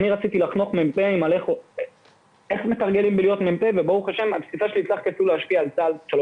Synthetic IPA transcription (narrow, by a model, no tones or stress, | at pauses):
aniʁat͡sit̪ilaχnoχmempeimale̞χo | e̞χme̞t̪aʁɡe̞limbelijo̞t̪mempevebouχaʃemapsifaʃelit͡slaχkefuleaʃpiaːlt͡salʃalo